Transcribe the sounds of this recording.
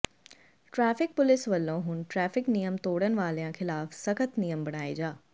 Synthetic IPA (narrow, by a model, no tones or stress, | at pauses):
ʈɾɛːfɪk̚pʊlɪsʋɐlːõɦʊn̆ʈɾɛːfɪknijəmt̪oːɽənɪ̆ʋaːlejãxɪlaːfsɐkʰət̪nijəmbɐɽ̃aːid͡ʑaː